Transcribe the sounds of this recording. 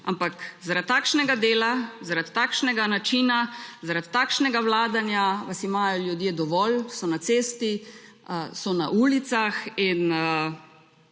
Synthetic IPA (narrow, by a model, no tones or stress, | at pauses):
ampakzaɾat̪ːaːkʃnɛɡad̪eːlazaɾat̪ːaːkʃnɛɡanat͡ʃiːnazaɾat̪ːaːkʃnɛɡawlaːd̪anjaʋasimaːjɔljud̪jeːd̪ɔʋɔlsɔnat̪seːst̪i | sɔna̰ʔuːlit̪saxinə